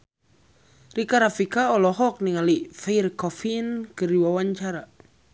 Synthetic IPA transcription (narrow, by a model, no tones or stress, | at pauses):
rikaɾafikaɔlɔɦɔk̚niŋalifairkɔfinkɨriwawaɲt͡ʃaɾa